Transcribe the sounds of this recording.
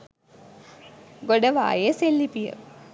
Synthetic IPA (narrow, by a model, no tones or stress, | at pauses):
ɡoɖəʋa̰ːjeselːipijə̰